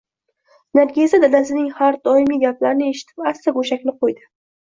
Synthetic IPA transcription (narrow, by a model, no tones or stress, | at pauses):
naɾɡʲezad̪alasɪnɪŋhaɾd̪ɒɪmiɡʲaplaɾɪnɪe̞ʃɪ̥t̪ʰɪ̥past̪aɡoʃakʲnɪqojd̪ɪ